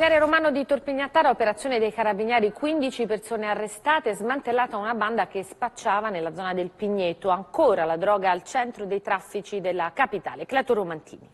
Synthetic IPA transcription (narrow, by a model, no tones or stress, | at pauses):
fjaɾeɾomaːnod̪it̪orpiɲːat̪ːaːɾaopeɾat̪sːjoːned̪ejkaɾabinjɛːɾikwind̪it͡ʃipersoːnearːest̪aːt̪eɛzmant̪elːaːt̪aunaband̪akespat͡ʃːaːvanelːad̪zːɔːnad̪elpiɲːet̪ːoaŋkoːɾalad̪ɾɔːɡaːlt͡ʃɛnt̪ɾod̪ejt̪ɾafːit͡ʃid̪elːakapit̪a̰ːleklɛt̪oɾomant̪ʰḭːni